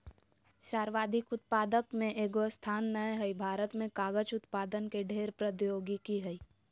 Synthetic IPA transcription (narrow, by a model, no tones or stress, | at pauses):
ʃaːɾʋaːd̪ʱɪkʊt̪̚paːd̪əkmẽʔeːɡost̪ʰaːnːəjɦəibʱaːɾət̪mẽkaːɡət͡ʃʊt̪paːd̪ənkeɖʱeːɾpɾəd̪joːɡikiɦəi